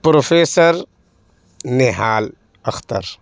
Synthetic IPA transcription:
pɾofesoɾ | neɦaːl | ɐxt̪a̰ɾ

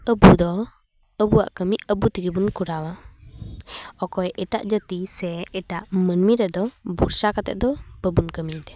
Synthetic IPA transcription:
əbud̪ɔ | əbua̰ʔkəmicəbut̪iɡibunkuɾawa | ɔkɔjʔɛʈa̰ʔd͡ʒət̪isɛɛʈaʔmənmiɾɛd̪ɔbuɾsakat̪ɛ̰ʔ̚d̪ɔbəbunkəmid̪ɛ

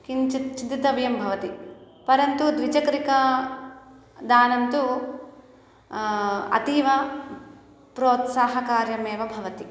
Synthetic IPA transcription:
kint͡ʃɐt͡ʃid̪it̪ɐbjɐmbʱɐʋɐt̪i | pɐɾɐnt̪ud̪ʋid͡ʒɐkɐɾikɐ | d̪aːnɐnt̪u | ɐ̰t̪iʋɐ | pɾoːt̪saːɦɐkaːɾjɐmeːʋɐbʱɐʋɐt̪i

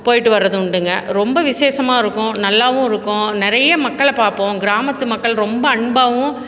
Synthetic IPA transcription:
poːjɪʈːɯʋɐɾːɐðɯʊɳɖɯŋɡɐ̰ɾɔmbɐʋɪseːsɐmaːɪɾɯkːʊ̃nɐlːaːʋʊ̃ɪɾɯkːʊ̃nɪɾɐjɐmɐkːɐɭpaːɾpõːɡɪɾaːmɐt̪ːɯmɐkːɐɭɾɔmbɐːɳbaːʋʊ̃

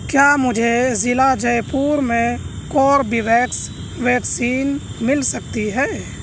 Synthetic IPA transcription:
kjaːmʊd͡ʒʱezɪlad͡ʒəjpuːɾmẽkɔːɾbiʋɛːks | ʋɛːksiːnmɪlsɐk̚t̪iɦɛː

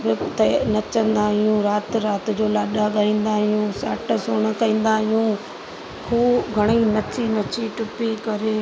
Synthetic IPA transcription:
bɪt̪ɐnɐt͡ɕɐ̃nd̪aːɦijũɾaːt̪ɾaːt̪d͡ʑoːlaːɗaɠaːĩːn̆d̪aːɦɪjũːsa̰ːʈəsʊɽ̃ə̆kɐĩːn̆d̪aːɦijũː | kʰuːbɡʱɐɽ̃inɐt͡ɕinɐt͡ɕiʈʊpikɐɾeː

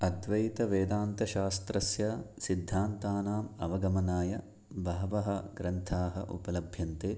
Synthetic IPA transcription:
ɐd̪ʋɐjt̪ɐʋeːd̪aːnt̪ɐʃaːst̪ɾɐsjɐsid̪ʱːaːnt̪aːnaːmɐʋɐɡɐmɐnaːjɐ | bɐɦɐʋɐɦɐɡɾɐnt̪ʰaːɦɐ̰ʔṵpɐlɐbʱjɐnt̪eː

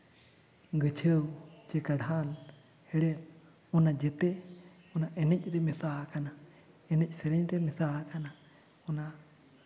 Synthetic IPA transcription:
ɡət͡ʃʰəwt͡ʃɛkaɽal | hɛɽɛt | ɔnad͡ʒɛt̪ɛ | ɔnaʔɛnɛc̚ˀɾɛmɛsaɦkana | ɛnɛc̚ˀsɛɾɛɲɾɛmɛsaɦkana | ɔna

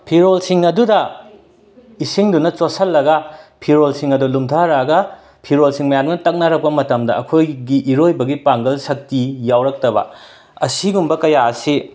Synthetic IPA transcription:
pʰiɾolsiŋɐdudɐ | isiŋdunɐt͡ʃosɐlːɐɡɐpʰiɾolsiŋɐdulumtʰɐɾaɡɐ | pʰiɾolsiŋmɐjanɐntɐk̚nɐɾɐk̚pɐmɐtɐmdɐɐkʰojɡiʔiɾojbɐɡipaŋɡɐlsɐk̚tijawɾɐk̚tɐbɐ̰ | ɐsiɡumbɐkɐjaɐsi

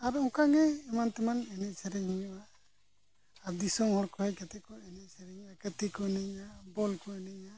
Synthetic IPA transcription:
aɾũkaɡɛːmant̪ɛmanɛnɛʔsɛɾɛɲhiɲuʔa | ɾd̪isɔmhɔɽkɔhɛjkat̪ɛkɔɛnɛsəɾɛɲʔakət̪ikɔɛnɛɲabɔlkɔɛnɛɲa

